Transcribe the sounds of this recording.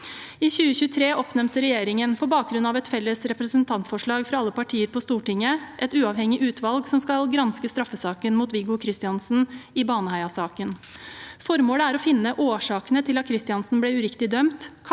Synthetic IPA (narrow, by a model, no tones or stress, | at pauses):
iːçʉːəçʉːət̪ʰɾeːʔɔpnɛmt̪əɾɛjeːɾɪŋənpʰɔbɑːk̚ɡɾʉnɑʋɛt̪fɛlːəsɾɛpɾəsənt̪ʰɑnt̪fɔʂɭɑːɡfɾɑɑlːəpɑʈʰiːəɾpʰɔst̪uːʈɪŋːəʔɛt̪ʉːɑːʋhɛŋɪʔʉːt̪ʰʋɑlɡsɔmskɑlɡɾɑnskəst̪ɾɑfːəsɑːkənmuːt̪ʋɪɡʊkʰɾɪst̪ɪɑnsn̩ɪbɑːnəhæɪɑsɑːkənfɔɾmoːləæːɾɔfɪnːəʔoːʂɑːkənət̪ʰɪlɑt̪̚kʰɾɪst̪ɪɑnsn̩blɛːʉɾɪkt̪ɪd̪œmt̪ʰ